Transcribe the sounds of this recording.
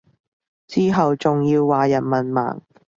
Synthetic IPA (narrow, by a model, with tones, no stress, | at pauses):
t͡siː˥ɦɐ˨wt͡sʊ˨ŋjiː˧wːaː˨jɐ˨˩nmɐ˨nma̰ː˨˩ŋ